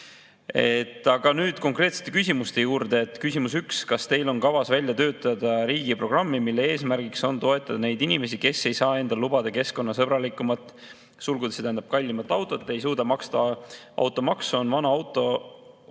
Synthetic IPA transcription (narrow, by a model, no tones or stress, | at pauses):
e̞t̪ˑːɑɡ̥ɑnyːd̪̥ko̞ŋkre̞t̪se̥t̪ːˑe̞kysʲimust̪e̞juːɾd̪̥e̞ːt̪ːˑkysʲimusykskɑst̪e̞jlo̞nkɑvɑsvælʲjɑt̪ø̞ːt̪ːˑɑd̪ɑɾiːɡ̥ipro̞ɡ̥rɑmːimilːee̞ːsmærɡikso̞nt̪o̞e̞t̪ːˑɑd̪̥ɑne̞jd̪inime̞s̬ike̞se̞jsɑːe̞nd̪ɑlub̥ɑd̪ɑke̞sko̞nːɑsɤb̥ɾɑlikːˑumɑt̪ˑː | sulɡud̪est̪æːnɑb̥̚kɑlʲːimɑt̪ːˑɑwt̪ˑo̞t̪ːe̞jsuːd̪̥ɑmɑkst̪ɑʔɑ̰wt̪ːˑo̞mɑksonvɑnɑɑwt̪ːˑo̞